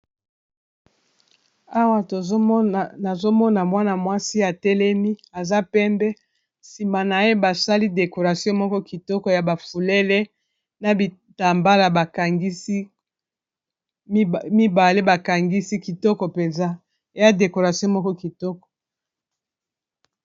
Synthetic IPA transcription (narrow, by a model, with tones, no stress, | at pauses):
a˦wa˦to˨˦na˨zo˦mɔ˦na˨mwa˦na˨mwa˦si˦a˨tɛ˦lɛ˦mi˦a˨za˦pɛ˦mbɛ˦ | si˨ma˨na˨je˦ba˨sa˦li˦de˨ko˨ʁa˨sjɔ̃˦mɔ˦kɔ˦ki˨tɔ˦kɔ˨ja˨ba˨fu˨le˦le˦ | na˨bi˨ | ta˨mba˦la˨ba˨ka˨ŋɡi˦s | mi˦ba˨le˦ba˨ka˨ŋɡi˦si˦ki˨tɔ˦kɔ˨pe˨nza˦ | e˨ja˦de˨ko˨ʁa˨sjɔ̃˦mɔ˦kɔ˦ki˨tɔ˦kɔ̥˨